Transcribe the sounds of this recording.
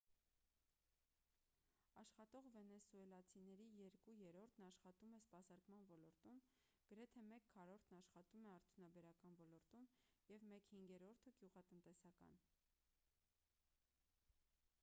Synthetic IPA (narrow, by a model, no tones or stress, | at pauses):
ɑʃχɑt̪ɔʁvɛnɛsuɛlɑt͡sʰinɛɾijɛɾkujɛɾɔɾt̪ʰnɑʃχɑt̪umɛspɑsɑɾkmɑnvɔlɔɾt̪um | ɡ̥əɾɛt̪ʰɛmɛkʰːɑɾɔɾt̪ʰnɑʃχɑt̪umɛɑɾt̪ʰjunɑbɛɾɑkɑnvɔlɔɾt̪umjɛvmɛkhiŋɡɛɾɔɾt̪ʰəɡjuʁɑt̪ənt̪ɛsɑkɑ̰n